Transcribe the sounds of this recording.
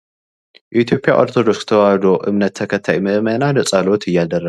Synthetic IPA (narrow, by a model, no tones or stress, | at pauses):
ʔit̪jo̞pʼja̰ʔo̞ɾt̪ʰo̞d̪o̞kszɨ̥t̪ʰɐwahd̪oʔɨβnɐt̪ʰːɐkʰɐt̪ʰːajmɨmɐnanɐt͡sʼalo̞t̪ʰɨjːad̪ɐrːa